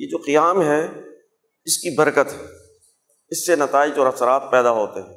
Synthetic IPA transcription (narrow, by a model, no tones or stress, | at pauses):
jed͡ʒoːqijaːmɦɛ | ɪskibɐɾkət̪ɦɛː | ɪsːenɐt̪aːɪd͡ʒɔːɾɐsɾaːt̪̚pɛːd̪aɦoːt̪eɦɛ̃ː